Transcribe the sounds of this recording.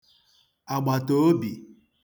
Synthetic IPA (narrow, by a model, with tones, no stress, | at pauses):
a˨ɡ͡ba˨to˦bi˨